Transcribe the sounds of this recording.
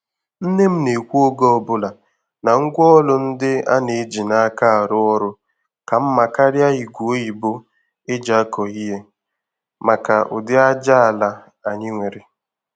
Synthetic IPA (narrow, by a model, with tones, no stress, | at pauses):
n̩˦ne˦m̩˦ne˨kʷu˦o˦ɡɔ˦ɔ˨bʊ˦la˨ | na˨ŋ̩˦ɡʷɔ˦lʊ˦n̩˦dɪ˦a˦ne˨˦d͡ʒi˨na˦ka˦a˨ɾʊ˦ɔ˦ɾʊ˦ | ka˨m̩˦ma˨ka˦ɾja˦i˨ɡʷu˨o˦i˨bo˦ | e˦d͡ʒa˦kɔ˨i˦ɦe˦ | ma˨ka˨ʔʊ̰˨dɪ˦a˦d͡ʒa˦a˨la˦ | a˨ɲɪ˦ŋʷe˨ɾe˨